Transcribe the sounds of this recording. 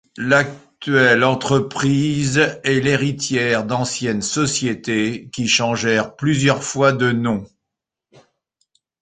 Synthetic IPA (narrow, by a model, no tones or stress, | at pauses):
lak̚t̪ɥɛlɑ̃t̪χəpχizɛleʁit̪jɛʁd̪ɑ̃sjɛnsɔsjet̪ekʲiʃɑ̃ʒɛʁplyzjœʁfwad̪ənɔ̃